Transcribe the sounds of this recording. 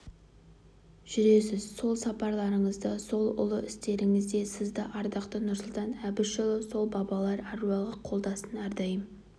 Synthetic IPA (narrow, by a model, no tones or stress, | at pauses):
ʒ̥ʏɾe̞s̬ɪzso̞lˠsɑpɑɾlˠɑɾəɴəzd̪əso̞lˠʊ̰lˠəʔɪst̪e̞ɾɪŋɪzd̪e̞sɪzd̪ɪʔɑɾd̪ɑqt̪ənʊɾsʊlˠt̪ɑnæbɪʃolˠəso̞lˠbɑbɑlˠɑɾɑɾuɑlˠʁəqʰo̞lˠd̪ɑsənɑɾd̪ɑjəm